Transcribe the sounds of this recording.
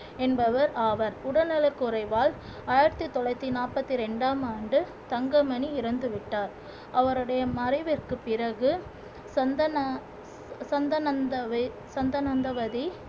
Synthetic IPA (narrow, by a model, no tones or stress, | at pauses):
ɛnbɐʋɐɾaːʋɐɾʊɽɐnɐɭɐkːɯʊɾɐɪʋaːl | aːjɪɾɐt̪ːɯt̪ːɔlɐɪt̪ːinaːpɐt̪ːiɾɛɳɖaːmaːɳɖɯ | t̪ɐŋɡɐmɐɳiɪɾɐnd̪ɯʋɪʈːaːɾ | ʔɐʋɐɾɯɽɐjɐmɐɾɐɪʋɪrkɯpːɪɾɐɣɯ | sɐnd̪ɐn | sɐnd̪ɐnɐnd̪ɐʋɐ | sɐnd̪ɐnɐnd̪ɐʋɐði